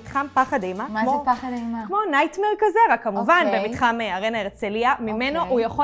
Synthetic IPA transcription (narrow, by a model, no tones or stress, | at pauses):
tχampaχadejmamopaadmakmo̞najtmeʁkazeʁakːamuvanbemitχameaʁenaeʁt͡seliamimenoʔujaχo